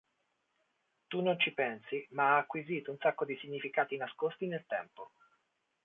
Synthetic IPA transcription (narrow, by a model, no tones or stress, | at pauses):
t̪unːont͡ʃipɛnsimaaːkːwiziːt̪ounsakːod̪isiɲːifikaːt̪inaskost̪inelt̪ɛmpo